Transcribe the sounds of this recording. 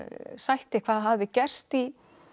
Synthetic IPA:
sajht̪ɪkʰv̥aːðɦavðɪcɛr̥st̪i

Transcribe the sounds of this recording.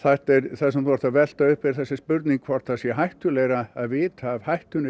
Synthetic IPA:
θaht̪ɛɾθasɛmθuvaɾ̥t̪aðvɛl̥t̪aʏhpvɪɾ̥θɛsːɪspʏɾt̪niŋkʰfɔr̥t̪aðsjɛɦajht̪ʏlɛjɾaːðvɪːt̪ʰavhajht̪ʏnɪ

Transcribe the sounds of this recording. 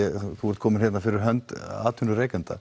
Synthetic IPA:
ɛθuɔɾt̪̚kʰɔːmɪɾ̥hɛjt̪nafɪɾɪɾɦœnt̪a̰ːt̪ʰʏnʏɾeːjkʏnt̪a̰

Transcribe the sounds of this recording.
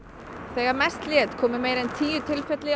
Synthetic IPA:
θɛːɣaɾmɛst̪lɛːt̪kʰɔːmʏmeːjɾɛnt̪ʰiːjʏt̪ʰɪlfɛt̪lɪ

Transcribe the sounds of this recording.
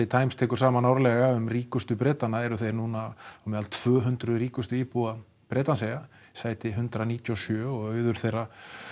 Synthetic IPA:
ɪt̪ʰajmst̪ʰɛːkʏɾ̥saːmanawɾlɛɣaʏmriːkʏst̪ʏpɾɛːt̪anːaɛɾʏθejɾnuːnamɛðalt̪ʰv̥œːɦʏnt̪ɾʏðɾiːkʏst̪ʏiːpua | pɾɛːt̪ansɛːɣa | saːjt̪ɪɦʏnt̪ɾaniːt̪ʰjuɔsjœːɔɣœːɥðʏɾ̥θejra

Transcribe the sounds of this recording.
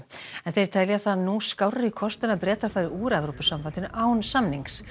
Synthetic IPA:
ɛnθejɾ̥t̪ʰɛljaθaðnuskaːwɾaɾikʰɔst̪ɪnapɾɛːt̪aɾ̥fajɾɪuːɾavɾuːpʏsamfant̪ɪnʏʔaːwnsamniŋks

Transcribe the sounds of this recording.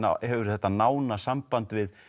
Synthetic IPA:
a̰hɛvʏɾ̥θɛt̪ːanaːwnasampant̪vɪð

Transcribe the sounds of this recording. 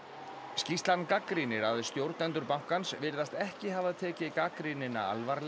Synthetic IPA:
scist̪lankakɾinɪɾaðɪst̪jowɾt̪nɛnt̪ʏɾpawŋ̥kansvɪɾðast̪ɛhcɪɦavaðt̪ʰɛːcɪkakɾinɪnːa̰a̰lvaɾlɛ

